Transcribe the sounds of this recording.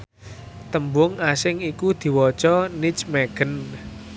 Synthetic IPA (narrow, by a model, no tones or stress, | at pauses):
t̪əmbʊŋasɪŋikud̪̥i̤wɔt͡ʃɔnit͡ʃmeɡ̥ən